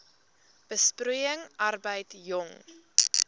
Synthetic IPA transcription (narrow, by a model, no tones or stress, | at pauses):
b̥əstɾujəŋʔɐrbəjtjɔŋ